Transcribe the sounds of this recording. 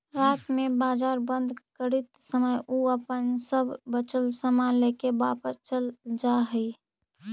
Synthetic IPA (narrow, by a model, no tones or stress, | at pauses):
ɾaːt̪mẽbaːzaːɾbə̃nd̪ʱkəɾit̪səməjʔuəpənsəbʱːət͡ʃəlsəmaleːkebaːpəst͡ʃəld͡ʒaɦəi